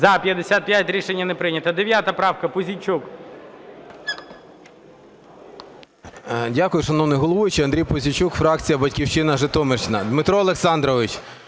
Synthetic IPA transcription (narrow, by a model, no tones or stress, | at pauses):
zɐpʲjɐd̪esʲat̪̚pʲjatʲɾʲiʃenʲːɐnepɾɪnʲɐt̪ɐd̪eʋʲjat̪ɐpɾɑwkɐpʊzʲit͡ʃuk | dʲakʊjʊʃɐnɔwnɪjɦɔlˠɔʋʊt͡ʃiɐnd̪ɾʲijpʊzʲit͡ʃukfɾɑk̚t͡sʲijɐbɐtʲkʲiwt͡ʃɪnɐʒɪt̪ɔmert͡ʃɪnɐd̪mɪt̪ɾɔːlˠeksɑnd̪ɾɔʋɪt͡ʃ